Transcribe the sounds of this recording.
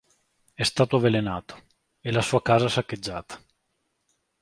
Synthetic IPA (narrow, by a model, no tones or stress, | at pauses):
ɛst̪aːt̪oavelenaːt̪o̥ | elasuːakaːzaɛsakːed͡ʒːaːt̪ḁ